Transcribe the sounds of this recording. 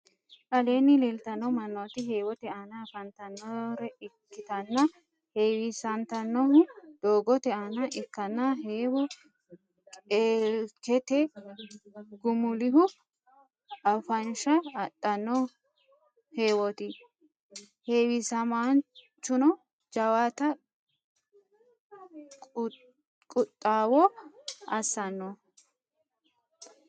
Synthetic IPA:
ʔɐleːnɪlelt̪ɐnːɔmɐnːot̪ɪɦe̞ːwɔt̪ɛʔanɐfɐnt̪ɐnːɔɾɛɪkːɪt̪ɐnːɐ | heːwɪsɐnt̪ɐnːɔɦʊd̪̥oːɡɔt̪ɛʔɐnɐʔɪkːɐnːɐɦeːwɔ | kʼeːkɛt̪ɛ | ɡʊmʊlɪɦʊ | ɐfɐnʃɐːtʼːɐnːɔ | he̞ːwɔt̪ɪ | he̞ːwɪsɐmaːn | t͡ʃːʊnɔ | d͡ʒɐwat̪ɐ | kʼʊt̪ʼːaːwɔɐsːɐnːɔ

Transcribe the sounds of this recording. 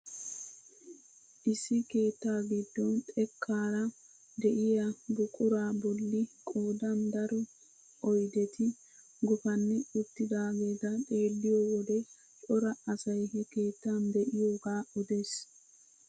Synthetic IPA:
ʔɪsːɪke̞ːt̪ːaːɡɪd̪ːɔnt̪ʼɛkʰːaːɾɐ | d̪ɛʔɪjɐbʊkʼʊɾaːbɔlːɪkʼoːd̪ɐnd̪ɐɾɔ | ʔɔjd̪ɛt̪ɪ | ɡʊfɐnːɪʊt̪ːɪd̪aːɡeːd̪ɐt̪ʼe̞ːlːɪjowɔd̪ɛ | t͡ʃʼɔɾɐɐsɐjhɛke̞ːt̪ːand̪ɛʔɪjo̞ːɡaːʊd̪e̞ːs

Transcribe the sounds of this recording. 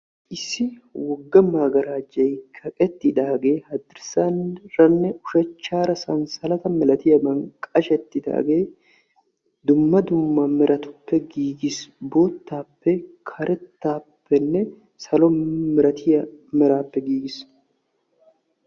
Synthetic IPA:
ʔɪsːɪwɔɡːɐmaːɡɐɾaːd͡ʒɐjkʰɐkʼɛt̪ːɪd̪aːɡe̞ːhɐd̪ɪɾsanɾɐnːɛʊʃɛt͡ʃːaːɾɐsɐnsɐlɐt̪ɐmɛlɐt̪ɪjɐbɐŋkʼɐʃɛt̪ːɪd̪a̰ːɡe̞ː | d̪ʊmːɐd̪ʊmːɐmɛɾʔɐt̪ʊ̥pːɛɡiːɡɪsbo̞ːt̪ːaːpːɛkʰɐɾʔɛt̪ːaːpːɛnːɛ | sɐlɔmɛɾɐt̪ʰɪjɐmɛɾaːpːɛɡiːɡɪs

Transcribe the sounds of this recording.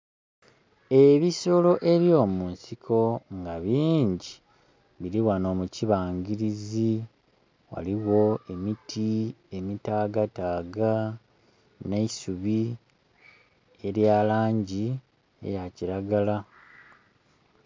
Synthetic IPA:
e̞βiso̞lo̞ʔe̞ɾjo̞ːmuːnsikʰo̞ŋɡaβiːɲɟi | βiɾiwano̞ːmuciβaːŋɡiɾizi | wa̰liwo̞e̞mitʰie̞mitaːɡataːɡa | neisuβi | e̞ɾjaːlaːɲɟi | ḛjaciɾaɡala

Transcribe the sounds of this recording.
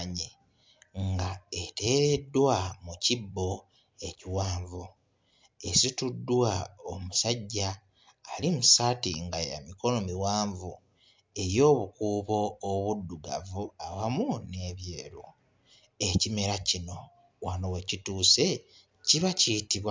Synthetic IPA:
ɲe | ŋɡaete̞ːɾe̞dːwamucibːo̞ | e̞ciwaːɱvu | e̞situdːwaomusaɟːaː | limusatḭŋɡaja̰miko̞no̞miwaːɱvu | e̞ɾjo̞ːβukuːβo̞ːβudːuɡa̰vuawamune̞βje̞ːɾo | e̞cime̞ɾacino̞ | wanowe̞cituːse̞ | ciβacitiβwa

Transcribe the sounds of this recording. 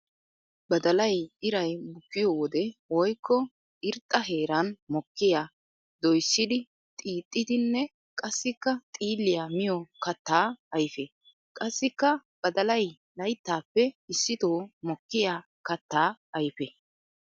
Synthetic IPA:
bɐd̪ɐlɐjɪɾɐjbʊkːɪjoːwɔd̪ɛwɔjkːɔ | ɪɾt̪ʼːɐɦe̞ːɾɐnmɔkːɪjaː | d̪ɔjsːɪd̪ɪ | t̪ʼiːt̪ʼːɪd̪ɪnːɛ | kʼɐsːɪkːɐt̪ʼiːlːɪjamɪjɔkɐt̪ːaːɐjfɛ | kʼɐsːɪkːɐb̥ɐd̪ɐlɐj | lɐjt̪ːaːpːɛɪsːɪt̪oːmɔkːɪjaː | kɐt̪ːaːɐjfɛ

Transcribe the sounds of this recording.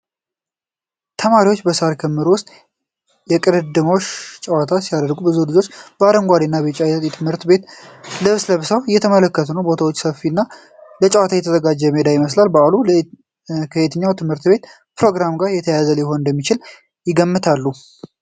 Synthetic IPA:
t̪ʰəmaɾiwo̞t͡ʃːbəsaɾkʰəmːɨɾuwʊst̪ʼ | jɛkʼɨɾɨd̪ɨmo̞ʃt͡ʃʼəwat̪ʰasijad̪əɾɡubɨzulɨd͡ʒo̞t͡ʃːb̥əaɾəŋɡʷaɾinːabət͡ʃʼajnət̪jɛt̪ʰɨmhɨɾt̪be̞t̪ləβɨsləβɨsəwɨjɛt̪ʰəmələkːət̪ʰunəwbo̞t̪ʰawo̞t͡ʃːsəfinːa | lət͡ʃʼəwat̪ʰajɛt̪ʰəzəɡad͡ʒːɛmed̪ajɪməslalbəalul | kʰəet̪ʰɨɲːawt̪ʰɨmhɨɾt̪be̞t̪ | pɾo̞ɡɾamɡaɾjɛt̪ʰəjazəljɛho̞nɨnd̪əmːit͡ʃɪl | jɪɡəmːɨt̪ʰalːu

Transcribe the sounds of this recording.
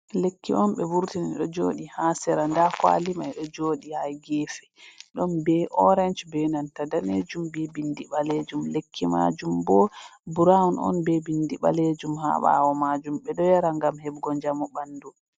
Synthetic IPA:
lekːiʔɔnɓɛwuɾtininɗɔd͡ʒoːɗihasɛɾandakwa̰limajɗɔd͡ʒoːɗihajɡɛfɛ̥ɗɔnbɛʔɔɾɛnd͡ʒbɛnantadaned͡ʒumbɛbindiɓaled͡ʒumlekʰːima̰d͡ʒumbɔbuɾawunɔ̰nbɛbindiɓa̰led͡ʒumha̰ɓa̰wɔmad͡ʒumɓɛɗɔjaɾaŋɡamhɛbɡɔnd͡ʒamubandu

